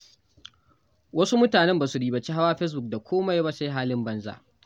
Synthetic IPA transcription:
wɐ˦su˦mʊ˦taː˨nɛ˦mbaː˨su˨ɽiː˦ba˨t͡ʃi˦ɦa˦waː˦ɸɛ˦s̬bʊ˨k̚da˨kʷʰoː˦ma˦ja˦ba˦sa˦ɦaː˦lɪ˦mbɐ˦nza̰˦˨ʔ

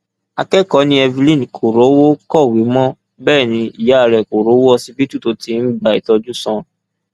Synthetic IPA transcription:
a˧kɛ˦kɔ˨˦nĩ˧˦ɛ˧vi˧lĩ˦˨n˨kʰo˨ɾo˨˦wo˦kɔ˦˨wi˨˦mɔ̃˦ | bɛː˦˨nĩ˧i˨ja˨˦a˧˨ɾɛ˨ko˨ɾo˨˦wo˦ɔ˧si˧bi˦tu˦to˨˦ti˦n̩˦ba˧˨i˨tɔ˧d͡ʒu˦sɔ̃˧

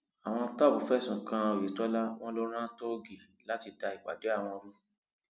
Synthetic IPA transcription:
a˨w̃ɔ̃˧ta˦˨bu˨˦fɛ˦˨sũ˨kã˧o˨je˨tɔ˦la˦w̃ɔ̃˦lo˦ɾ̃ã˦to˦ɡi˨ | la˦ti˧da˧i˨ɡ͡ba̰˨de˨˦a˦˨w̃ɔ̃˧ɔ˧ɾũ˦

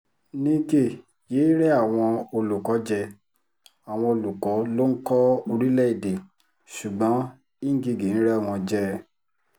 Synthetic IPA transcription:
nĩ˦ɡe˦˨ | jeː˨˦ɾɛ˦a˦˨w̃ɔ̃˧o˧lu˨kɔ˨˦d͡ʒɛ˧ | a˨w̃ɔ̃˧o˧lu˨kɔ˨˦lo˦ŋ̩˦kɔ˦o˧ɾi˦lɛ˦i˨de˨ | su˨ɡ͡bɔ̃˨˦ | i˦ŋ˦ɡi˧ɡi˨n̩˦ɾɛ˦˨w̃ɔ̃˧d͡ʒɛ˦

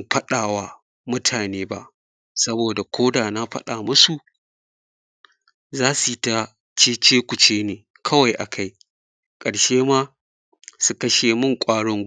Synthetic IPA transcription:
ɸɐ˦ɗaː˨waː˦ | mʊ˦tʰaː˨neː˦ba̰˦ʔ | sɐ˦boː˨da˨kʷʰoː˦daː˨na˦ɸɐ̰˦ɗaː˨mʊ˦su˨ | zaː˦su˨ta˦ | t͡ʃeː˦t͡ʃeː˦kʷʊ˨t͡ʃeː˦neː˨ | kʰɐ˦wa˨jʔa̰˨kʰa˦j | kʼɐ˨ɽʃeː˦maː˦ | su˨kɐ˦ʃeː˨mʊ˦˨ŋkʷʼaː˦ɽɔ˦ŋ

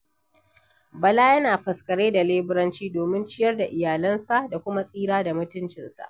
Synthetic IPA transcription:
bɐ˨laː˦jɐ˦naː˨ɸɐ˨skɐ˨ɽeː˦da˨leː˦bɪ˦ɾɐ˦nt͡ʃiː˦doː˨mɪ˦nt͡ʃɪ˦jɐ˦rda˨ʔɪ˨jaː˨lɐ˦nsa˦˨ʔda˨kʷʊ˦ma˦sʼiː˦ɾaː˦da˨mʊ˦tʊ˦nt͡ʃɪ˨nsa̰˨ʔ

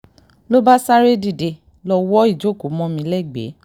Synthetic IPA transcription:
lo˦ba˦sa˦ɾe˦di˨de˧ | lɔ˧wɔ˦i˦˨d͡ʒo˦˨ko˨˦mɔ̃˧˦mĩ˧lɛ˦˨ɡ͡bḛ˨˦

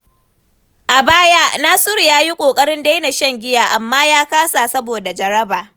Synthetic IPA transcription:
ʔa˨baː˦ja˦naː˦sʊ˦ɾjaː˦ji˦kʷʼoː˨kʼɐ˦ɽɪ˦nda˦jna˨ʃɐ˦ŋɡʲɪ˦jaː˨ʔa˨mːaː˦jaː˦kaː˦sa˨sɐ˦boː˨da˨d͡ʒɐ˨ɾɐ˦baː˨

